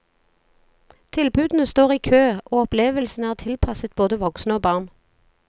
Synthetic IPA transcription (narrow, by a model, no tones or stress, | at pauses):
t̪ʰɪlbʉːd̪n̩əst̪oːʁiːkʰøːʔoːɔpleːʋəlsn̩əæːʁt̪ʰɪlpʰɑsət̪̚boːd̪əʋɔksnəoːbɑʁn